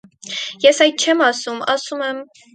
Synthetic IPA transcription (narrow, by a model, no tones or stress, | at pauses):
jɛsɑjd̪̚t͡ʃʰɛmɑsumɑsumɛm